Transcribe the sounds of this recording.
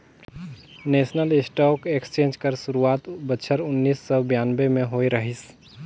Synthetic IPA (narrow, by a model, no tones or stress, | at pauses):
neːsnəlɪsʈɔːkekst͡ʃẽːnd͡ʒkəɾsʊɾuaːt̪bətːʃʰəɾʊnːiːsːɔbjaːnbemẽɦoːiɾəɦis